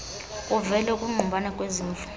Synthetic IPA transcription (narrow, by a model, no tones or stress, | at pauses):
kʼuvɛlɛkʼuŋ͡ǃumbʱanakʼweziːnfu̥